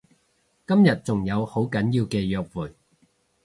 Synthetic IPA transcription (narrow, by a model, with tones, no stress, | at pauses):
kɐ˥mjɐ˨t̚t͡sʊ˨˩ŋjɐ˨˧who˨˥wkɐ˨˥njiː˧wkɛː˧jœː˧k̚wuː˨˩j